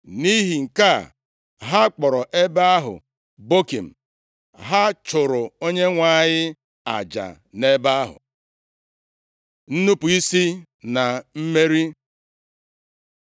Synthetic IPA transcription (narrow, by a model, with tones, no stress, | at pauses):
ni˦ɦi˨ŋ̩˨ka˦˨ | ɦa˦k͡pɔ˨ɾɔ˨ʔe˦ba˦a˦ɦʊ̰˨ | bo˦ki˨m̩˨ | ɦa˦t͡ʃʊ˨ɾʊ˨o˦ɲe˦ŋʷa˦˨ɲɪ˦ | a̰˨d͡ʒa̰˨ | ne˦ba˦a˦ɦʊ̰˨ | n̩˦nu˦pu˨i˦si˦ | na˨m̩˦me˦ɾi˦